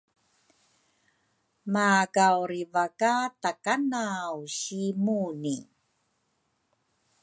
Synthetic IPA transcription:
makawɾivakatakanawɕimuni

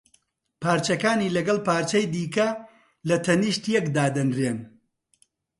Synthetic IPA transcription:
pʰaːɾt͡ʃɐkaːniːlɐɡɐlˠpaːɾt͡ʃɐjd̪iːkɐ | lɐt̪ʰɐniʃt̪jɛkd̪aːd̪ɐnreːn

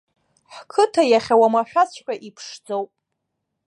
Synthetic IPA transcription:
ħkʰɨtʰajaχʲawamaħᶣasʷħʲʷʼᶣaʔipʰʂd͡zowpʼ

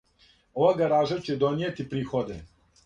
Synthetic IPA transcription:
oʋaɡaɾaːʒat͡ɕed̪oniet̪ipɾiːxod̪e

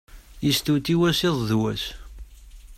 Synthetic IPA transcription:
jist̪ut̪iwæsɪðˤðwæs

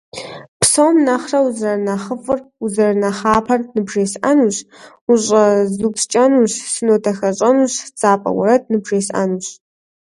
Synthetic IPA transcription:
pʰsowmnɐχrɐwuzrɐrnɐχəfʼɨruzɨrnɐχaːpʰɐrnɨbʐeːsʔanuɕ | uɕʼɐzupst͡ʃʼɐnuɕsɨnoːtʰɐxɐɕʼɐnuɕd͡zʼaːpʼɐ̰wɐ̰ɾɐd̚nɨbʒeːsʔa̰nuɕ

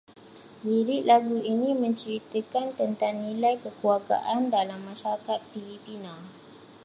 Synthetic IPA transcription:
diɾɪʔlaɡuinĩmə̃ɲt͡ʃəɾit̪əkant̪ənt̪aŋnːĩlajkəkuaɡa̰ʔandalamːãʃaɾakat̪̚filipinã

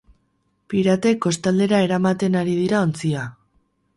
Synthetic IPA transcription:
piɾat̪e̞kːo̞st̪ald̪e̞ɾae̞ɾamat̪e̞naɾið̞iɾao̞nt͡sia

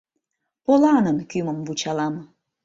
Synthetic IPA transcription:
pɔlanankimambut͡ʃalama

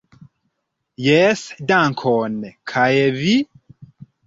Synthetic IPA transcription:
jɛsdaŋkʰɔnekʰajevi

